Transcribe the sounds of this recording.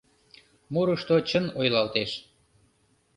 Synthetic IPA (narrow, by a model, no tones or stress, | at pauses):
muɾəʃt̪ot͡ɕənojlɑlt̪eʃ